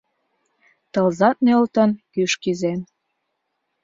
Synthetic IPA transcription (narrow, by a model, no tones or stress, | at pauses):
t̪ɤlzɑt̪̚nølt̪ə̆nkyʃkizem